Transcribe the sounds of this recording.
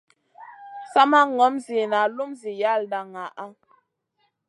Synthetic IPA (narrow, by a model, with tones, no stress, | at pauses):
sa˦ma˦ŋɔ˨˦mzi˨na˨lu˦mzi˨ja˦˨lda˨ŋa˨ʔa˦